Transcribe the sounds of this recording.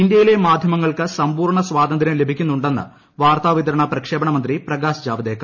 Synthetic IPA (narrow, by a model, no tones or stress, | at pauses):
ind̪jɐjile̞maːd̪ʱjɐmɐŋːɐɭkɨsɐmpuːrɳɐsʋaːd̪ɐnd̪ʱɾɐmle̞bʱikʲːunːuɳɖenːɨ̰ | ʋaːrt̪aːʋit̪ɐɾɐɳɐprɐkʂe̞ːbɐɳɐmɐnd̪riprɐɡaːsd͡ʑaːʋɐd̪eːkːɐ